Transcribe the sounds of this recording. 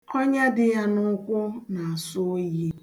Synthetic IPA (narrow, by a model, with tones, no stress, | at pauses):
o˦ɲa˦dɪ˦ja˦nʊ˦kʷʊ˦na˨a˨sʊ˦ji˦